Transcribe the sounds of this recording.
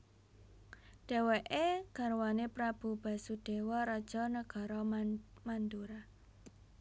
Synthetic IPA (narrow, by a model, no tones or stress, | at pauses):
ɖ̪̥ɛ̤weʔeɡ̥a̤ɾwanepɾab̥ṳb̥ä̤sud̥e̤wɔɾɔd̥ʒ̥ɔ̤nəɡ̥a̤ɾɔmand̪uɾa